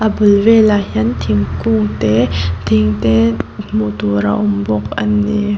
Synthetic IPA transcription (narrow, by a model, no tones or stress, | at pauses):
ʔabulvelaɦint̪ʰiŋkuŋt̪ɛt̪ʰiŋt̪ɛmut̪uɾa̰ʔɔmbɔk̚ʔa̰nːi